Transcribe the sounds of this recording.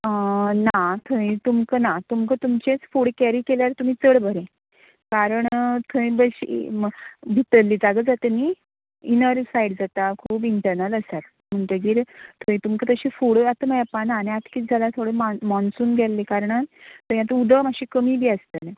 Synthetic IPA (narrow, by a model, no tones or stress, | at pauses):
ənat̪ʰəĩt̪umkənat̪umkət̪umt͡ɕet͡sfuɽkæɾiːkeljaɾt̪um̤iːt͡səɽbʱəɾẽ | kaɾəɳt̪ʰəĩbəɕḭ | bʱit̪əlːiːd͡zaɡəd͡zat̪əni | inəɾsaiɽd͡zat̪akʰuːpiɳʈəɾnələsaɾ | m̤əɳt̪əɡiːɾt̪ʰəĩt̪umkət̪əɕiːfuɽat̪əməjapanaːnĩat̪kiːt̪d͡zalat̪ʰoɽemamɔnsuːnɡʱɛlːikaɾəɳat̪əĩat̪əud̪ʱəmaɕiːkəmiːbiːəst̪əl